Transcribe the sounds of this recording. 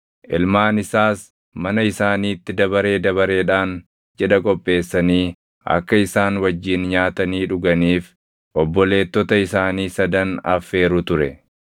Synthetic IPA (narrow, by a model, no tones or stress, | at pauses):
ʔɪlmaːnɪsaːs | mɐnɐɪsaːniːt̪ːɪd̪ɐbɐɾe̞ːd̪ɐβɐɾe̞ːᶑaːn | d͡ʒɛᶑɐkʼɔpʼːe̞ːsːɐniː | ʔɐ̰kːɐɪsaːnwɐd͡ʒːiːnɲaːt̪ɐniːᶑʊɡɐniːf | ʔɔbːɔle̞ːt̪ːɔt̪ɐɪsaːniːsɐd̪ɐnɐ̰fe̞ːɾʊt̪ʊɾɛ